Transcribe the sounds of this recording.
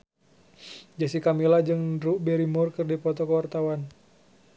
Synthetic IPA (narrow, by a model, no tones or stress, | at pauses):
d͡ʒasikamilad͡ʒɨŋɾuʔbɛɾimurkərdipɔt̪ɔkəwart̪awan